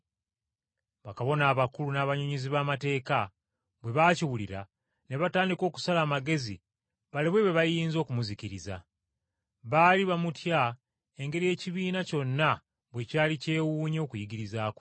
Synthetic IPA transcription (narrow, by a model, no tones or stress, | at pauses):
βakaβo̞naːβakulunaːβaɲoɲiziβaːmate̞ːka | βwe̞βaːciwuliɾa | ne̞βataːndiko̞ːku̥salaːmaɡe̞zḭ | βaliβwe̞βwe̞βajiːnzo̞ːkumuziciɾiza̰ | βaliβamutja | e̞ŋɡe̞ɾije̞ːciβiːnaco̞nːa | βwe̞caːlice̞ːwuːɲo̞ːkujiɡiɾizaːko